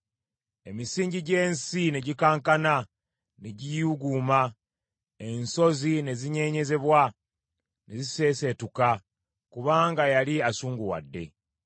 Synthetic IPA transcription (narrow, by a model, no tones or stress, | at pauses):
e̞misiːɲɟiɟe̞ːnsine̞ɟikaːŋkana | neɟijuɡuːma | e̞nso̞zine̞ziɲe̞ːɲe̞ze̞βwa | ne̞zise̞ːse̞tuka | kuβaːŋɡajaliasuːŋɡuwa̰dːe̞̰